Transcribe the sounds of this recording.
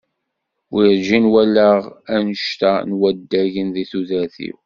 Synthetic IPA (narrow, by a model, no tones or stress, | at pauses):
wʔiɾd͡ʒinwælːəʁænəʃt̪ænwæd̪ːæʝənðiθuðəɾθḭw